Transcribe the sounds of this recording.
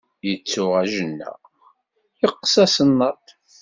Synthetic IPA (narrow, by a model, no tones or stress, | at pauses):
jət͡sːʊʁæʒənːæ̰ | jəqːsæsənːɑt̪